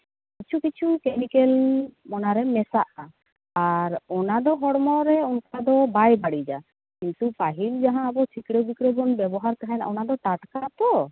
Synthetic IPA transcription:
kit͡ʃʰukit͡ʃʰukemikelmɔnaɾɛmɛsaʔa | aɾɔnad̪ɔɦɔɽmɔɾɛunkad̪ɔbajbaɽid͡ʒa | kint̪upaɦild͡ʒaɦãːbɔt͡ʃʰikɽebikɽɔbɔnbɛbɔɦaɾkaɦana̰ɔnad̪ɔʈaʈkat̪ɔ

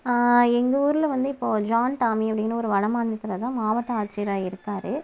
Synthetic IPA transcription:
ɛŋɡɐuːɾɪlɐʋɐnd̪ɯɪpːoːd͡ʒaːnʈaːmiɐpːɐɽɪnːɐɔɾɯʋɐɳɐmaːɳːɐt̪ːɯlɐt̪ãːmaːʋɐʈːɐ̃aːt͡ʃːiɾaːɪɾɯkːaːɾɯ

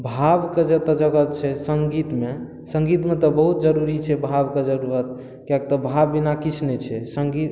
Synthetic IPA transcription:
bʱabked͡ʒət̪ɔd͡ʒəɡət̪̚t͡ʃʰɛsəŋɡit̪me | sə̃ŋɡit̪met̪ɔbəɦut̪̚d͡ʒəɾuɾit͡ʃʰɛbʱabked͡ʒəɾuɾət̪̚ | kak̚t̪ɔbʱabːinakit͡ʃʰnɛt͡ʃʰɛsəŋɡit̪

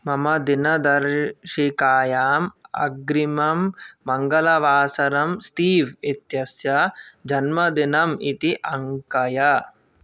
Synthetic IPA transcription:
mɐmɐd̪inɐd̪ɐɾʃikaːjaːmɐ̰ɡɾimɐmːɐŋɡɐlɐʋaːsɐɾɐmst̪iːʋit̪jɐsjɐd͡ʒɐnmɐd̪inɐmit̪iʔɐŋkɐjɐ

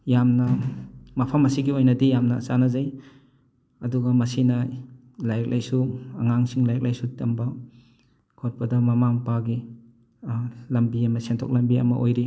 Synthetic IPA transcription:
jamnɐmɐpʰɐmɐsiɡiojnɐdijamnɐsanɐzaj | ɐduɡɐmɐsinɐ | lajk̚lajsuɐŋaŋsiŋlajek̚lajsutɐmba | kʰɔt̚pɐdɐmɐmaŋpaɡi | lɐmbiɐmɐsentʰo̰k̚lɐmbiɐ̰mɐ̰ʔo̰jɾi

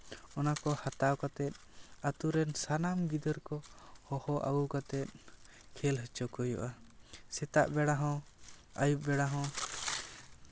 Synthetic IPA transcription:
ɔnakɔhat̪awkat̪ɛt̪̚ˀ | at̪uɾɛnsanamɡid̪əɾkɔhɔhɔʔa̰ɡukat̪ɛt̪̚ | kʰɛlɦət͡ʃɔkɔjɔ̰ʔasɛt̪aʔbɛɽaɦɔ̃ | ajup̚bɛɽaɦɔ̃

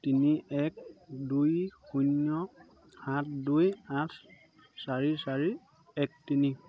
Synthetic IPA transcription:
tiniɛk̚dujxunjɔ | hãt̚ʰdujãtʰ | saɹisaɹi | ɛk̚tini

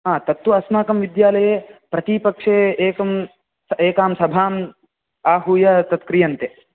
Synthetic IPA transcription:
ɦaːt̪ɐt̪ːwuɐsmaːkɐmʋid̪jaːlɐjeːpɾɐt̪ipɐkʂeːeːkɐm | eːkaːmsɐbʱaːm | aːɦuːjɐt̪ɐt̪kɾijɐnt̪e

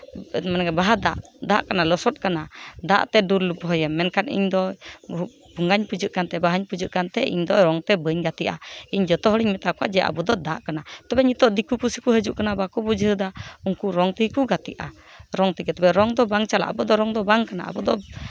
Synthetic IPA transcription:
manɡɛbaɦad̪a̰ʔd̪aʔkanalɔsɔt̪̚kanad̪a̰ʔt̪ɛdulbɔɦɔjɛmːɛnkanḭɲd̪ɔ | buŋɡaɲpud͡ʒɨʔkant̪ɛbaɦaɲpud͡ʒuʔkant̪ɛʔḭɲd̪ɔɾɔŋt̪ɛbəɲɡat̪iʔa̰iɲd͡ʒɔt̪ɔɦəɽiɲmɛt̪akɔa̰ʔd͡ʒɛʔa̰bud̪ɔd̪aʔkanat̪ɔbɛɲit̪ɔʔd̪ikupusikuɦəd͡ʒuʔkanabakubud͡ʒɦəd̪auŋkuɾɔŋt̪ikuɡat̪ḭʔa̰ | ɾɔŋt̪ikɛt̪ɛbɛɾɔŋd̪ɔbaŋt͡ʃala̰ʔa̰bud̪ɔɾɔŋd̪ɔbaŋkana̰ʔa̰bud̪ɔ

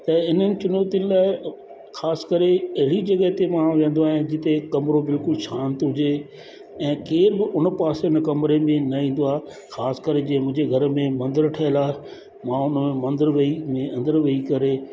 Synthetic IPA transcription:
t̪ɐɪnənɪ̆t͡ɕʊnoːt̪iənɪ̆laːɪ | xaːskəɾeɐɦɪɽid͡ʑɐɡəɦt̪emãʋẽnd̪oaːɦẽd͡ʑɪt̪ekɐmɾobɪlkʊlʃãːnt̪ɦʊd͡ʑe | ɛ̃ːkeːɾbɪʔʊnəpaːseʊnəkɐmɾemẽnɐĩːn̆d̪oaː | xaːskɐɾed͡ʑĩɦmʊ̃ɦɪ̃ɲd͡ʑeɡʱɐɾmẽmɐ̃nd̪əɾʈʰɐːɦɪlaːɦ | mãʊnmẽmɐ̃nd̪əɾʋɐimẽɐ̃nd̪əɾʋɐikɐɾeː

